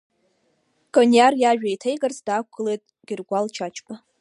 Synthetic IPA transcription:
kʼonjarjaʒᶣajtʰejɡarzdaːkʷʰɨlejtʼ | ɡ̥ʲɪrɡʷalt͡ʃʰat͡ʃʰʼpʼa

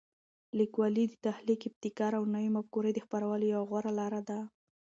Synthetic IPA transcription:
likwɑlid̪ət̪ahlikɪp̚t̪ikɑɾawnawimabkoɾejd̪əxpaɾawəlojawaɣwaɾalɑɾad̪a

